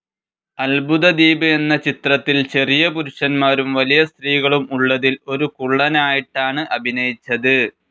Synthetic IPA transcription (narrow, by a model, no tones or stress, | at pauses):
ɐlbʱuðɐd̪iːbɨe̞nːɐt͡ɕit̪rɐt̪ːilt͡ɕe̞rijɐpuɾuɕɐnmaːɾumʋɐlijɐst̪riːɣɐɭumuɭːɐðilo̞ɾukuɭːɐnaːjiʈːaːɳɨʔɐbʱinɐjit͡ɕːɐðɨ